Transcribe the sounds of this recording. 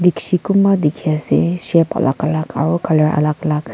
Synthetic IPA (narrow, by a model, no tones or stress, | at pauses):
diksikumad̪ekʰiasɛ̰ʃɛpa̰la̰kalaka̰ɹukaləɹʔa̰lakalak